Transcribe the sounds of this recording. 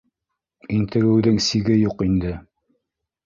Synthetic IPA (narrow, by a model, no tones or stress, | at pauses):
int̪ɘ̆ɾɘ̆wðɘŋsiɡɘjuqind̪ɘ